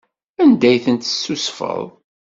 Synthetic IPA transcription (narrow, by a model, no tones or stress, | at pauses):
ænd̪æjθənt̪ə̥sːusfə̰ðˤ